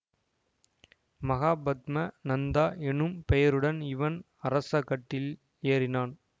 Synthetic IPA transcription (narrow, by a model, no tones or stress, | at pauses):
mɐɣaːbɐd̪mɐnɐnd̪aːʔɛnːɯmpɛjɐɾɯɽɐnɪʋɐn | ɐɾɐsɐkɐʈːɪl | eːɾɪnaːn